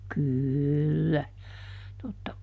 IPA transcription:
kyˑlːæ totːɑ

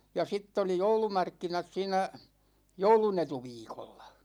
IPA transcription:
jɑ sitː oli joulumɑrkːinɑt siːnæ joulunetuʋiːkolːɑ̥

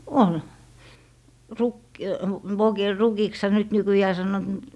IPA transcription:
ol ruk ʋokil rukikshɑ nyt nykyjæː sɑnːoːt mut

